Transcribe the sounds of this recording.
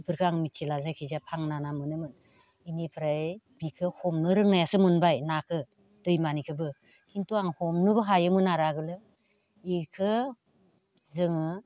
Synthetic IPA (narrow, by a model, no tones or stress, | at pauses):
pʰɯɾkʰɯaŋmitt͡ʃʰilazajkʰizapʰaŋnanamɯnɯmɯn | inipʰɾaj | bikʰɯhɔmnɯɾɯŋnajasɯmɯnbajnakʰɯ | d̥ɯjmanikʰɯbɯ | kʰintuaŋhɔmnɯbɯɦajɯmɯnaɾaɡɯlɯ | ikʰɯ | zɯŋɯ